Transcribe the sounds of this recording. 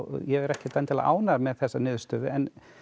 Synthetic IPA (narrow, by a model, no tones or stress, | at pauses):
jɛɣɛɾɛhcɪt̪ant̪ʰɪla̰ʔa̰ːwnaɾmɛðθɛsːanɪːðʏst̪œːðɪɛn